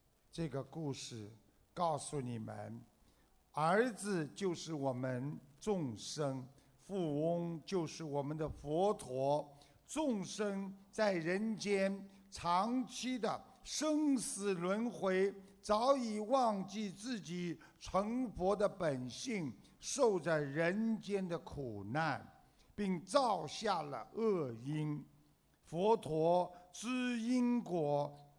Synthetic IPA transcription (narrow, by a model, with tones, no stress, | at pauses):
ʈ͡ʂɤ˥˩ɡə˩ku˥˧ʂɻ̩˥˩ | kɑ˥˩ʊsu˨˩ni˨˩mə̰˦n | ə˞˧˥d͡zɹ̩˧t͡ɕjo˥˧ʊʂɻ̩˥˩wɔ˨˩mə˦nt͡sʊ˥˧ŋʂɤ˥ŋ | fu˥˩ʊ˥ŋt͡ɕjo˥˧ʊʂɻ̩˥˩wɔ˨˩mə˦nd̪ə˧˨fwɔ˧˥t̪ʰwɔ˧˥ | t͡sʊ˥˩ŋʂɤ˥ŋt͡sa˥˩ɪɻə˧˥nt͡ɕjɛ˥n | ʈ͡ʂʰɑ˧˥ŋt͡ɕʰi˥d̪ə˨ | ʂɤ˥ŋsɹ̩˨˩lwə˧˥nxwe˧˥ɪt͡sɑ˧˥ʊi˨˩wɑ˥˧ŋt͡ɕi˥˧t͡sɹ̩˥˩t͡ɕi˨˩ | ʈ͡ʂʰə˧˥ŋfwɔ˧˥d̪ə˨pə˨˩nɕi˥˩ŋ | ʂo˥˧ʊt͡sa˥˩ɪɻə˧˥nt͡ɕjɛ˥nd̪ə˨kʰu˨˩na˥˩n | pi˥˧ŋt͡sɑ˥˧ʊɕja˥˩lə̰˩ɤ˥˩i˥n | fwɔ˧˥t̪ʰwɔ˧˥ʈ͡ʂ̩˥i˥nkwɔ˧˥